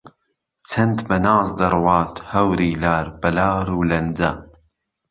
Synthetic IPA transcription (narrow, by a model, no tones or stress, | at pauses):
t͡sʰɐnt̪bɐnaːzd̪ɐrwɑːt̪ʰhɐwɾiːlaːɾbɐlaːɾuːlɐnd͡zɐ̰